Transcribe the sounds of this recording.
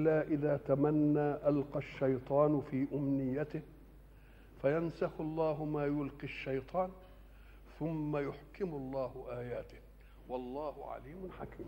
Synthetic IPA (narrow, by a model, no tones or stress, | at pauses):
ʔlːaːʔɪðaːt̪amanːaːʔalqɑʃːajt̪ˤɑːnfiːʔʊmnɪjːat̪ɪh | fajansɑxɑlˤːɑːɦʊmaːjʊlqiʃːɑjt̪ˤɑːn | θʊmːajʊħkɪmʊlˤːɑːhʊʔaːjaːt̪ɪh | wɑlˤːɑːhʊʕa̰liːmʊnħakiːm